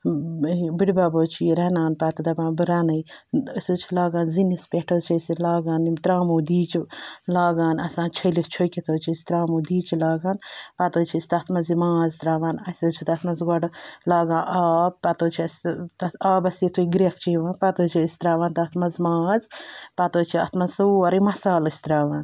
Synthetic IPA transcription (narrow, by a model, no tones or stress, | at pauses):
biɽbaːboːt͡ʃʰijiɾɐnaːnpat̪ɐd̪ɐbãːnbɨɾaːnɐjəsoːt͡ʃʰilaːɡaːnzinispʲeʈʰoːt͡ʃʰɐsilaːɡaːnimt̪ɾaːmuːd̪iːt͡ʃlaːɡaːnɐsãːnt͡ʃʰɐlit͡ʃʰojkʲit̪ʰoːt͡ʃʰisi̥t̪ɾaːmuːd̪iːt͡ʃilaːɡaːnpat̪oːt͡ʃʰisʲt̪ɐt̪ʰmɐzimaːzt̪ɾaːʋaːnɐsʲɐt͡ʃʰit̪ɐt̪ʰmɐzɡɔɖlaːɡãːnʔaːb̚pɐt̪oːt͡ʃʰiɐst̪ɐaːbɐsit̪ʰuɡɾek̚t͡ʃʰiʋaːnpat̪oːt͡ʃʰiɐsʲt̪ɾaːʋaːnt̪ɐt̪ʰmɐzmaːzpat̪oːt͡ʃʰiɐ̰t̪ʰmɐsɐɐɾimɐsaːlɐsʲt̪ɾaːʋaːn